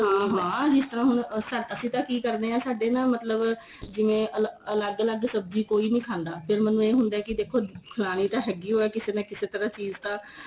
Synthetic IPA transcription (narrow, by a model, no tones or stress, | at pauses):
iɦãːd͡ʒɪst̪əɾãːɦʊnsaəsĩːt̪ãːkiːkəɾneːãːsaːɖeːnaːmət̪ləb | d͡ʒɪʋẽːʔələləɡələɡsəb̚d͡ʒiːkoːiːnĩːkʰãːnd̪aːpʰɪɾmənːũːeːɦʊ̃nd̪aːɛkɪd̪eːkʰːoːkʰəlaːɽ̃iːt̪ãːɦɛːɡiːɦoːɛːkɪseːnãːkɪseːt̪əɾãːt͡ʃiːzt̪ãː